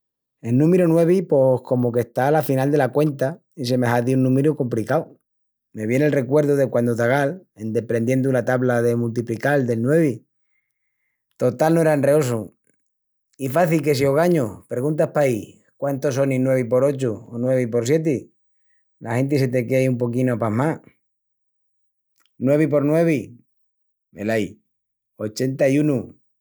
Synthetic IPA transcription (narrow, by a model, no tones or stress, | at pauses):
e̞lnũmeɾunwe̞β̞ipo̞hko̞moke̞st̪alafinald̪e̞lakwe̞nt̪a | is̬e̞me̞ɦaðiunːũmeɾuko̞mplikaw | me̞βje̞ne̞lre̞kwe̞ɾðoðe̞kwand̪ot̪aɣ̞ale̞nd̪e̞pɾe̞nd̪je̞nd̪ulat̪aβlaðe̞mult̪̬iplikald̪e̞lnwe̞β̞i | t̪o̞t̪alnoeɾaenreo̞su | ifaθilke̞s̬ioɣ̞aɲopɾeɣunt̪ahpai | kwant̪os̬o̞ninwe̞β̞ip̬o̞ɾo̞t͡ʃuonwe̞β̞ipo̞ɾs̬je̞t̪̬i | la̰he̞nt̪̬ise̞t̪e̞keaiumpo̞kinoapama | nwe̞β̞ip̬o̞ɾnwe̞βi | mḛlaj | o̞t͡ʃe̞nt̪aiunu